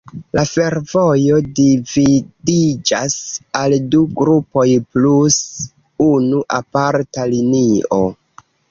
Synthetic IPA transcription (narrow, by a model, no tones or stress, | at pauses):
lafe̞ɾvo̞jo̞dividid͡ʒasalduɡɾupo̞jplus | unuʔapaɾtalinio̞̰